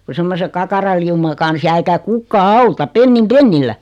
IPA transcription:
ku semːose kɑkɑrɑliumɑ kɑns jæː eikæ kukːɑː ɑutɑ penːim penːilːæ

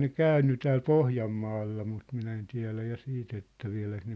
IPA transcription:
ne kæˑynːy tæːl pohjɑmːɑːlːɑ mut minæ en tiæ̝læ jɑ siːt etːæ ʋiæ̝læk ne

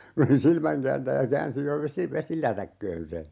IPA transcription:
kun̞ se oli silmæŋkæːntæjæ kæːnsi jo ʋesi ʋesilætækːøːn se

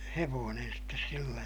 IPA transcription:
heʋoːnen sitːes silːæ

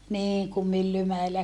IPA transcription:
niːŋ kum mylːymæelːæ

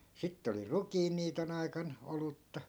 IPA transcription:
sitːĕ oli rukiːnːiːton ɑikɑn olutːɑ

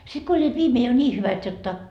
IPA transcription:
sit ko olʲːiːt ʋiːmeː jo nʲiː hyʋæt jotːɑ

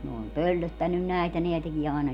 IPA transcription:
ne om pølːøtːænːyn næˑetæ neæ tekie ɑˑenɑ

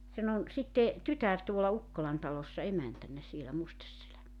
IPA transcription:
sen on sitːe tytær tuolɑ ukːolɑn tɑlosːɑ emæntænːæ sielæ mustesːelæ

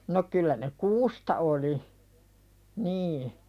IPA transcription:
no kylːæ ne kuːstɑ oli niː

